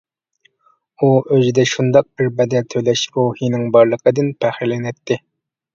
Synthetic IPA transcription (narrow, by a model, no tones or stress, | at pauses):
uʔøzid̪ɛʃund̪ɑq̚bɪɾbɛd̪ɛlt̪ʰøjlɛʃbohinɪŋbɑɾlˠəqʰəd̪ɨnpʰæχɪlɛnɛt̪ʰːɪ